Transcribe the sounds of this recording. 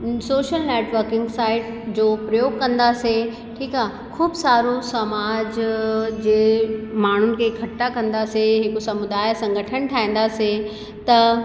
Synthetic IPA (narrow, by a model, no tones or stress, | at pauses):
soːʃəlneːʈʋəɾkɪ̃ŋɡsaːɪʈ | d͡ʑoːpɾɐjoːɡ̚kɐ̃nd̪ase | ʈʰiːkaː | kʰuːbsaːɾosɐmaːd͡ʑd͡ʑeːmaːɳ̤ʊnɪ̆kʰekʰɐʈːakɐ̃nd̪aseɦɪkosɐmʊd̪aːɪsɐ̃ŋɡʱəʈʰənʈʰaːɦĩːn̆d̪ase | t̪ɐ